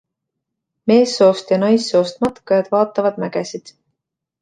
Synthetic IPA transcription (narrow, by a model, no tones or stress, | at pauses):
me̞ːsːo̞ːst̪jɑnɑjsːo̞ːst̪mɑt̪kːɑjɑd̪̥vɑːt̪ːˑɑvɑd̪̥mæɡ̥esid̪̥